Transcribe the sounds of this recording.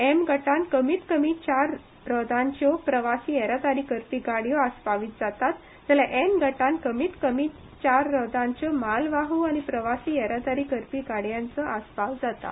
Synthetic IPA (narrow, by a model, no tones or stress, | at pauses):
emɡəʈãnkəmiːt̪kəmiːt͡ɕaɾ | ɾɔd̪ãɲt͡ɕjɔpɾəʋasiːɛɾad̪aɾiːkəɾpiːɡaɽjɔaspaʋiːt̪d͡zat̪at̪ | d͡zalaʔemɡəʈãnkəmiːt̪kəmiː | t͡ɕaɾːɔd̪ʱãɲt͡ɕɔmalʋaɦuaɽipɾəʋasiːɛɾad̪aɾiːkəɾpiːɡaɽjãnt͡səaspaʋd͡zat̪a̰